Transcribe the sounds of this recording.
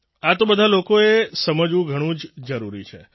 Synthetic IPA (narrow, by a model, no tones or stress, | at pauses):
at̪obəd̪ʱalokoesəməd͡ʒʋũɡʱəɽ̃ũd͡ʒd͡ʒəɾuɾḭt͡ʃʰḛ